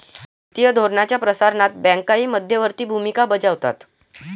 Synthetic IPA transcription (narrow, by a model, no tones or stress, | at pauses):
tt̪ijəd̪ʱoɾɳat͡ɕjapɾəsaɾnat̪̚bɛ̃ŋkaiːməd̪ʱjəʋəɾt̪iːbʱumikabəd͡zaʋt̪a̰t̪